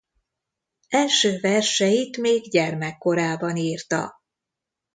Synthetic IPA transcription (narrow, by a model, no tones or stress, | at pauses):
ɛlʃøːvɛrʃɛjit̪meːɡɟɛrmɛkːo̞ɾaːbɒniːrt̪ɒ̰